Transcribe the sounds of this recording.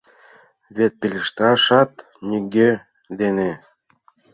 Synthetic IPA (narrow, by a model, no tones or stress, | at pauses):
βet̪̚pilʲəʃt̪ɑʃɑt̪ | nʲiɡʲe | d̪ene